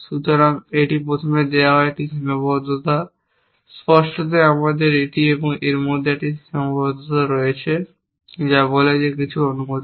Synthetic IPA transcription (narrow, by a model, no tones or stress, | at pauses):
ʃut̪oɾaŋeʈipɾot̪ʰomed̪eaɦɔeʈismobɔd̪ʱot̪a | spɔʃʈot̪̬eamad̪eɾeʈieboŋeɾmod̪ʱeeʈiembɔd̪ʱot̪aɾɔjet͡ɕʰe | d͡ʑaboled͡ʑekit͡ɕʰuonumod̪